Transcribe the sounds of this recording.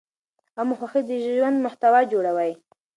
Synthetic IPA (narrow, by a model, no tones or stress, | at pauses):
amʊxaxid̪əʒʒwand̪mʊht̪awɑd͡ʒoɽawaj